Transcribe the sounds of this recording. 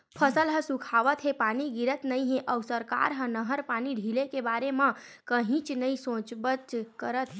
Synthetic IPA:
pʰəsəlɦə̃sũkʰaʋət̪ɦepaniɡiɾət̪nəiɦẽʔəwsəɾka̰ɾɦə̃nəɦəɾpaniɖʱilekebaɾemãkəɦĩt͡ʃnəisõt͡ʃbət̪kəɾət̪ɦe

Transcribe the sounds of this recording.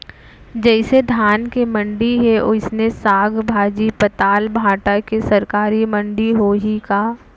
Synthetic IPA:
d͡ʒɛːɪsed̪ʱaːnkemɐ̃ɳɖiɦɛʔʊsnesaːɡʱbʱaːd͡ʒipɐt̪aːlbʱaːʈakesɐɾkaːɾimɐ̃ɳɖiɦoɦikaː

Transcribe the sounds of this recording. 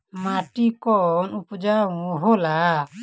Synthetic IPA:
maʈikɔnupud͡ʒaũɦɔla

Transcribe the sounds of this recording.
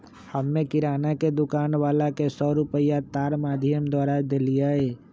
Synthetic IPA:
həmːẽkɪɾaːnaked̪ʊkaːnʋaːlakesɔːɾʊpəijat̪aːɾmaːd̪ʱɪjəmd̪waːɾad̪eːlijaɦeː

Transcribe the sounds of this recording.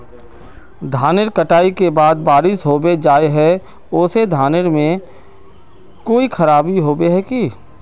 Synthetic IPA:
d̪ʱaːnɪɾkəʈaːikebaːd̪̚baːɾɪsɦoːbed͡ʒaːeɦɛ | ʊːsed̪ʱaːnəɾmẽ | koːixʰɐɾaːbiɦoːbeɦɛki

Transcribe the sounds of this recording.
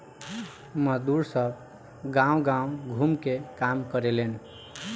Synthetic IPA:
məd̪uɾsəb | ɡãũɡãũɡʱumkekamkəɾelen

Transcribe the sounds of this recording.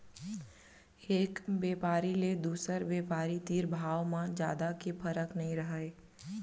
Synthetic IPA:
eːkbjeːpaːɾiled̪uːsəɾbeːpaːɾit̪iːɾbʱaːwmãd͡ʒja̰ːd̪akepʰəɾəknɐɦĩɾɐɦaeː

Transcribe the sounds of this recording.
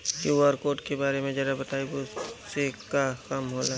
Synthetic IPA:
juːaɾkoːʈkebaːɾemẽd͡ʒɐɾabɐt̪aːibosekakɐmɦoːla

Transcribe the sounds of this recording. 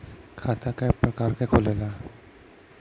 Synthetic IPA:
kʰat̪akapɾɔkaɾkekʰolela

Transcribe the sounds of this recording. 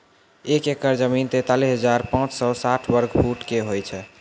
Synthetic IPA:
ekekəɾd͡ʒəmint̪et̪alisɦəd͡ʒaɾpãt͡ʃsɔsaʈʰbəɾɡpʰuʈkeɦojt͡ʃʰɛ

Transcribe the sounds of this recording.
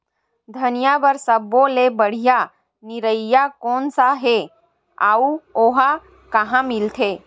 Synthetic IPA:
d̪ʱənijabəɾsəbõlebəɽ̤ija | nɪɾəijakɔːnsaɦe | a̰ːuoːɦa | kɐɦãmɪlt̪ʰeː

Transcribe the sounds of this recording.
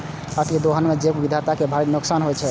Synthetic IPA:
ət̪ked̪oɦənmed͡ʒekbid̪ʱat̪akebʱaɾinuksanɦojt͡ʃʰɛ

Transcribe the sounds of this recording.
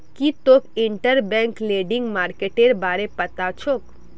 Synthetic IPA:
kit̪okɪɳʈəɾbɛ̃ːŋkleːɖɪ̃ŋɡmaːɾkeʈeɾbaːɾepɐt̪at͡ʃʰok

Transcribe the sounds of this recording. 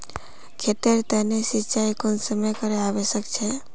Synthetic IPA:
kʰet̪eɾt̪enesit͡ʃajkonsəməjkəɾeaʋesəkt͡ʃʰe

